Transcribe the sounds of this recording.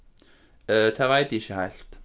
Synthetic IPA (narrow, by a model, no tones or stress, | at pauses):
ət̪ʰæːʋæɪt̪ɪçəhæɪlt̪